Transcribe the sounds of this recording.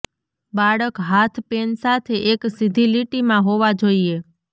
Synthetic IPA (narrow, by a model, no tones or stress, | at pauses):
baɽəkɦat̪ʰpensat̪ʰeʔeksid̪ʱiliʈimãɦoʋad͡ʒoie